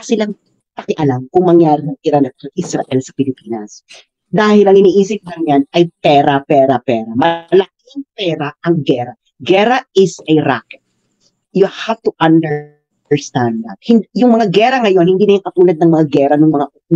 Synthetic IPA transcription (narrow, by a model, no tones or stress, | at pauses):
sɪlaŋ | pɐkɪʔɐlamkʊŋmɐŋjaːɾɪnɐŋʔɪɾanɐt̪sɐʔɪsɾɐ̰ʔɛlsɐpɪlɪpiːnɐs | d̪aːhɪlɐŋɪniːʔiːsɪp̚lɐŋɲanɐjpɛːɾɐpɛːɾɐpɛːɾɐmɐlɐk̚ɪŋpɛːɾaʔɐŋɡɛɾɐ | ɡɛɾɐɪsɛɾakɛt̪̚ | jʊhaft̪uʔɐnd̪ɛ | əɹst̪ãnd̪̚ðɐ̰t̪̚hɪnjʊŋmɐŋaɡɛːɾɐŋɐjo̞nhɪnd̪iːnɐjʊŋkɐt̪uːlɐd̪̚nɐŋmɐŋaɡɛːɾɐnʊŋmɐŋa